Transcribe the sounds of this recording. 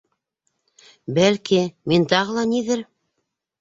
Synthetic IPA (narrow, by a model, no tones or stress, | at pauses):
bælkimint̪ɑʁɤ̆lˠɑniðɘɾ